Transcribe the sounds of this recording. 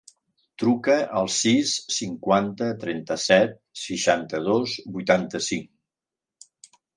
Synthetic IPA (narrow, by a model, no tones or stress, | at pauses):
t̪ɾukəʔəlˠsisːiŋkwant̪ət̪ɾɛnt̪əsɛt̪̚ | səʃant̪əð̞ozbujt̪ant̪əsiŋ